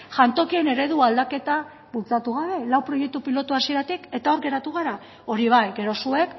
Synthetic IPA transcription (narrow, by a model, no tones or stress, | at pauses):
ʝant̪o̞kie̞ne̞ɾe̞ðuald̪ake̞t̪a | βult͡sat̪uɣaβe̞lawpɾo̞je̞k̚t̪upilo̞t̪uasie̞ɾat̪ike̞t̪ao̞ɾɣe̞ɾat̪uɣ̞aɾa | o̞ɾiβ̞ajɡe̞ɾo̞sue̞k